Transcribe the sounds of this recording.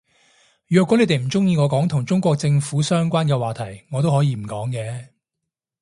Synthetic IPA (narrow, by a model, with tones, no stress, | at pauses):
jœː˨kwɔ˨˥e˨˧jt̪e˨˩m̩˨˩t͡sʊ˥ŋjiː˧ŋɔː˨˧kɔː˨˥ŋt̪ʰʊ˨˩ŋt͡sʊ˥ŋkʷɔː˧k̚t͡sɪ˧ŋfuː˨˥sœː˥ŋkʷaː˥nkɛː˧waː˨˩t̪ʰɐ˨˩jŋɔː˨˧t̪o˥whːjiː˧m̩˨˩kɔː˨˥ŋkɛː˨˧